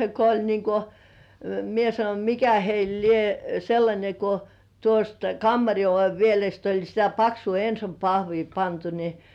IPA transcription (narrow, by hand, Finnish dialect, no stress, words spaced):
ko olʲ niːŋ ko mie sɑnonʲ mikæ heil lie selːɑnʲe ko tuost kɑmːɑri oʋe ʋielest olʲ sitæ pɑksuː ensom pɑhʋiː pɑntu ni